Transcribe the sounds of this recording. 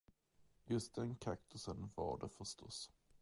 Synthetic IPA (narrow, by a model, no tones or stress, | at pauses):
jɵst̪̚d̪ɛnkʰak̚t̪ʰʊsənvɑ̰ɖɛfœʂt̪ʰɔs